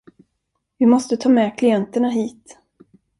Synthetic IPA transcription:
vɪmɔst̪ət̪ʰɑːmɛːkʰlɪɛnt̪əɳaɦiːt̪

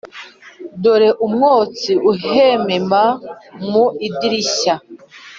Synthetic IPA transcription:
doɾeʔumŋoːt͡siuhememamuidiɾiɕa

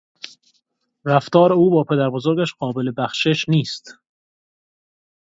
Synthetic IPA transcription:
ræft̪ɒːɾeuːbɒːpʰe̞d̪æɾbozo̞ɾɡʲæʃɢɒːbe̞le̞bæxʃeʃniːst̪

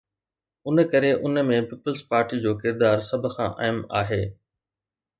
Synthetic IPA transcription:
ʊnəkɐɾeʔʊnmẽpiːpəlspaːɾʈid͡ʑoːkɪɾd̪aːɾsɐbʱəxã̰ːʔa̰ːɪma̰ːɦeː

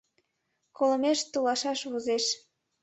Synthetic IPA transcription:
kolə̆meʃt̪ulɑʃɑʃβozeʃ

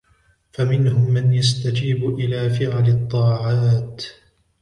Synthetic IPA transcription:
famɪnhʊmːanjast̪ad͡ʒiːbʔɪlaːfɪʕalɪt̪ˤːɑːʕaːt̪

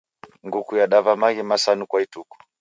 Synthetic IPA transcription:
ŋɡukujaɗavamaɣimasanukwaituku̥

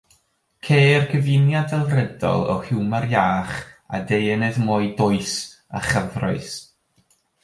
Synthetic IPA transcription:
kʰeːrkʰəvɪnjadɛlˠrɛdɔ̰lˠɔ̰hɪwmarjaːχa̰dejnɛðmɔɨdɔɨs | a̰χəvrɔɨs

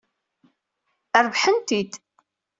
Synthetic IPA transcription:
əɾˤvħənt̪id̪

